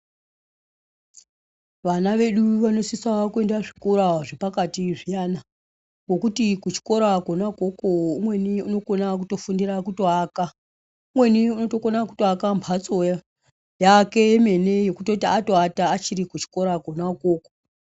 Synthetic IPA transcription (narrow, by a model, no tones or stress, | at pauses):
ʋanaʋe̞ɗuʋano̞sisakue̞ndaʐikoɾaʐepakatiʐijaːna | ŋo̞kutikut͡ʃi̥ko̞ɾakonako̞koumwe̞niuno̞ko̞nak̬uto̞fundirakutoaːka | umwe̞niuno̞to̞konaku̥toakambʰʱat͡so̞ | jake̞eme̞ne̞jo̞kuto̞tiato̞ataːt͡ʃiɾikut͡ʃi̥ko̞ɾakonakoːko̥